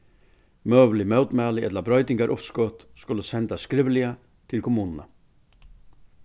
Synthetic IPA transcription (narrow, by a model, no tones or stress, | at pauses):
mœːʋlɪmœwt̪mæːlɪɛt̪labɾœʏt̪ɪŋɡaɾʔʊpskɔt̪skʊləsɛnt̪askɾɪʋəlɪa | t̪ʰɪlkʰʊmuːnənə